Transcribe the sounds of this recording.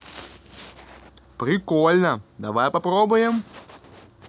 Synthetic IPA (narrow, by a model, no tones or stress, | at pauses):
pɾʲɪkɔlʲnɐd̪ɐʋajpɐpɾɔbʊjɛm